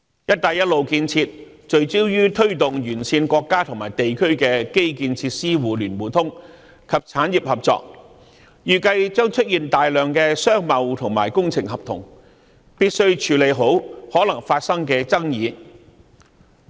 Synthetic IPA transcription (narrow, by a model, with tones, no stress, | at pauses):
jɐ˥t̚t̪aː˨˧jɐ˥t̚lo˨wkiː˧nt͡sʰiː˧t̚ | t͡ʃɵ˨ɥt͡siː˥wjyː˥t̪ʰɵ˥ɥt̪ʊ˨ŋjyː˨˩nsiː˧nkʷɔː˧kːaː˥t̪ʰʊ˨˩ŋmaː˨˩jt̪e˨jkʰɵ˥ɥkɛː˧ke˥jkiː˧nt͡sʰiː˧t̚siː˥wuː˨lyː˨˩nwuː˨˩t̪ʰʊ˥ŋ | kʰɐ˨p̚t͡sʰaː˨˥nji˨p̚hɐ˨p̚t͡sɔ̰ː˧k̚ | jyː˨kɐ˧jt͡ʃœː˥ŋt͡ʃʰɵ˥t̚jiː˨nt̪aː˨jlœː˨ŋkɛː˧sœː˥ŋmɐ˨˧wt̪ʰʊ˨˩ŋmaː˨˩jkʊ˥ŋt͡sʰɪ˨ŋhɐ˨p̚t̪ʰʊ˨˩ŋ | piː˥t̚sɵ˥ɥt͡ʃʰyː˨˥le˨jɦo˨˥whɔː˨˥lɐ˨˩ŋfaː˧t̚sɐ˥ŋkɛː˧t͡sɐ˥ŋjiː˨˧